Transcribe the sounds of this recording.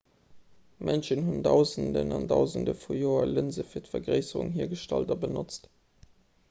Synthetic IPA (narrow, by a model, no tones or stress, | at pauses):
mʔənʃənhundɑʊzəndə̰nɑndɑʊzəndəfujoːɐlənzəfiːɐtfɐɡʁɜɪsəʁṵŋɦiːɐɡəʃtɑ̰ldɐbənot͡st